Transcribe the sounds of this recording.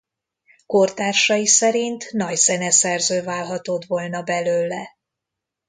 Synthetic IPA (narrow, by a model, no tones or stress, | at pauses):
ko̞rt̪aːrʃɒjisɛɾint̪nɒcsɛnɛsɛrzøːvaːlɦɒt̪o̞t̪vo̞lnɒbɛløːlːɛ